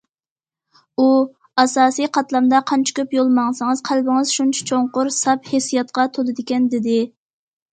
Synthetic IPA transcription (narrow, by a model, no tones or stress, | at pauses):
u | ɑsɑːsijqʰɑt̪lˠɑmd̪ɑqʰɑnt͡ʃʰi̥kʲʰøpjolˠmɑŋsɨŋɨzqʰælbɪŋɨzʃunt͡ʃʰɛ̥t͡ʃʰoɴqʊɾsɑphesijɑt̪̚qɑt̪ʰolˠɨd̪ɪkʲɛnd̪ɪd̪ɪ